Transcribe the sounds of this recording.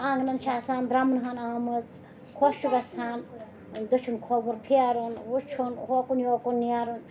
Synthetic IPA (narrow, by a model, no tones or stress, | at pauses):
aːŋɡnɐnt͡ʃʰaːsaːnd̪ɾɐmnɦanaːmɨz | kʰoʃuɡɐsaːn | d̪ut͡ʃʰunkʰoːbuɾpʰiaɾunwut͡ʃʰunhokunjoːkunːijaɾun